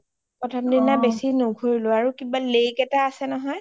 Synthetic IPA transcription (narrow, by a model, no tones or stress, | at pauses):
pɔtʰɔmdinabesinoɡʱoɹilʊaɹukibalekɛtaːsɛnɔɦɔj